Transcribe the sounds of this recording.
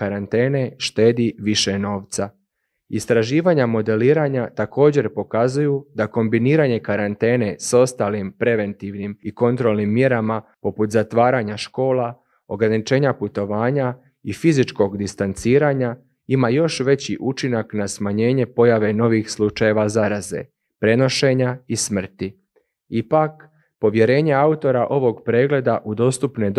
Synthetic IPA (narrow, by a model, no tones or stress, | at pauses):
kaɾant̪e̞ːne̞ʃt̪e̞ːd̪iʋiʃe̞no̞ːʋt̪sa | ist̪ɾaʒiːʋaɲamo̞d̪e̞liːɾaɲat̪ako̞ːd͡ʑe̞ɾpo̞kazujud̪ako̞mbiniːɾaɲe̞kaɾant̪e̞ːne̞so̞st̪aːlimpɾe̞ʋe̞nt̪iʋnimiko̞nt̪ɾo̞lˠnimːje̞ɾamapo̞put̪zat̪ʋaːɾaɲaʃko̞ːla | o̞ɡɾanit͡ʃe̞ːɲaput̪o̞ʋaːɲa | ifizit͡ʃko̞ɡd̪ist̪ant̪siːɾaɲa | imajo̞ʃʋe̞t͡ɕḭʔut͡ʃinaknasmaɲe̞ːɲe̞po̞jaʋe̞no̞ʋixslˠut͡ʃaje̞ʋazaɾaze̞̰ | pɾe̞no̞ʃe̞ɲaismr̩t̪i | ipak | po̞ʋje̞ɾe̞ːɲe̞aut̪o̞ɾaʔo̞ʋo̞ɡpɾe̞ːɡle̞d̪aʔud̪o̞st̪upne̞d̪